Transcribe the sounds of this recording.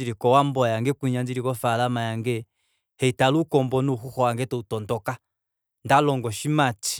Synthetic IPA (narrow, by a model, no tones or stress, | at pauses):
iɾikɔwambɔjaŋɡɛkuɲand͡ʒiɾikɔfalamajaŋɡɛ | hɛitalukɔmbɔnuhuhɔwaŋɡɛtɔutɔndɔka | ndalɔŋɡɔʃimati̥